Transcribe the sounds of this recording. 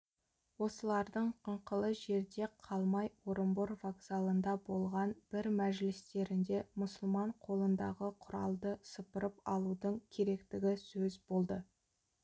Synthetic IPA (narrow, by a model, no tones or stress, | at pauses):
wo̞səlˠɑɾd̪əɴqʰəɴqəlˠəʒe̞ɾd̪e̞qʰɑlˠmɑjwo̞ɾəmbʊɾvoɡsalˠənd̪ɑbo̞lˠʁɑnb̥ɪɾmæʒlɪst̪e̞ɾɪnd̪e̞mʊsʊlˠmɑɴqʰo̞lˠənd̪ɑʁəqʰʊɾɑlˠd̪əsəpəɾəpɑlˠud̪əɴkʲʰe̞ɾe̞kt̪ɪɡʲɪsɵzbo̞lˠd̪ə